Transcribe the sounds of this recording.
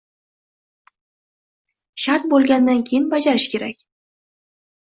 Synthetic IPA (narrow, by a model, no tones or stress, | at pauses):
ʃaɾt̪̚bolˠɡʲand̪ankʲʰejɪnbad͡ʒaɾɪʃkʲe̞ɾakʲ